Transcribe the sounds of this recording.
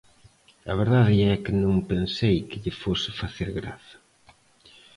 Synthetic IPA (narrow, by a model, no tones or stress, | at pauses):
ɐ̰βeɾðaðɪɛkɪnõŋpensejkɪʎɪfosɪfaθeɾɣɾa̰θɐ̥